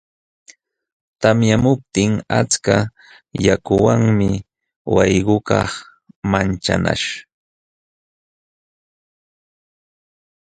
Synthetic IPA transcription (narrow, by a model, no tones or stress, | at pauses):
t̪amjamʊp̚t̪ɪŋat͡ska | jakʊwaŋmɪ | wɑjɢʊkɑχ | mant͡ʃa̰na̰ʃ